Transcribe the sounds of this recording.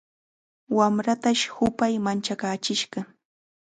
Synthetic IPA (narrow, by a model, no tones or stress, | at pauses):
wamɾat̪aʃhʊpajmant͡ʃakaːt͡ʃɪʃɢɑ